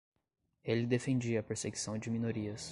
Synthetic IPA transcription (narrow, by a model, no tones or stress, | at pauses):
elɪd̪efẽnd͡ʒiɐːpeɾseɡisɐ̃w̃d͡ʒɪmĩnoɾiɐs